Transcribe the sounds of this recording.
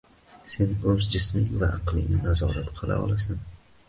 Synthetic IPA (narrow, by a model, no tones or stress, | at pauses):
se̞nɵzd͡ʒɪsmɪŋvaʔɑqlˠɪ̰ŋnɪnazɒɾat̪qʰɨlˠa̰ɒ̰lˠasan